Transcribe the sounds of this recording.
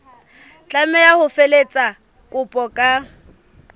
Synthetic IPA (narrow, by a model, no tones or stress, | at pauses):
t͡ɬʼamɛjahʊfelet͡sʼa | kʼʊpʼɔkʼa